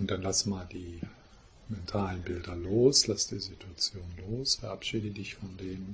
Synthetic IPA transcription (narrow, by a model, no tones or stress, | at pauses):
ʊnt̚d̥anlasmaːldiː | mɛntʰaːlənbɪldɐloːslasd̥iːzitʰuat͡sjoːnloːsfɛɐʔapʃiːdədɪçfɔndeːnən